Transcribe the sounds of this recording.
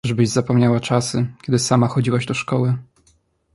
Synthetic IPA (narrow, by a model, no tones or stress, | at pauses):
ʐbɘʑzapɔmɲawat͡ʂasɘkʲɛd̪ɘsamaxɔd͡ʑiwaʑd̪ɔʂkɔwɘ